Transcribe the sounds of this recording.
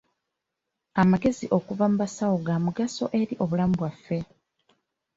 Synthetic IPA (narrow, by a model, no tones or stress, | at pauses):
amaɡe̞ziʔo̞kuvamumasawoɡamuɡaso̞ʔe̞ɾiʔo̞βulamubwafːe̞